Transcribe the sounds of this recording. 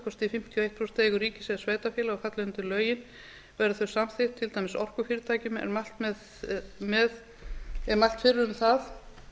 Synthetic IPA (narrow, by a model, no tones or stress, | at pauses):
kʰɔst̪ɪfɪm̥t̪ʰjɔejht̪̚pʰɾɔst̪ʰeːɣʏriːcɪ̥sɛðsveːjt̪afjɛːlaɔfat̪lɪʏnt̪ɪlœːɥjɪn | vɛɾʏθœɥsamθejht̪ʰːɪlt̪aːjmɪsɔr̥kʏfjɪːɾɪt̪ʰaːjcʏmɛ̰ɾmal̥t̪mɛ | mɛð | ɛɾmalt̪fɪrːʏʏmθaθ